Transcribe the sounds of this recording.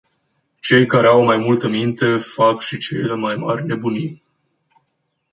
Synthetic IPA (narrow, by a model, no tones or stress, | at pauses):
t͡ʃe̞jkaɾeawmajmult̪əmint̪e̞fakʃit͡ʃejlemajmarʲne̞buni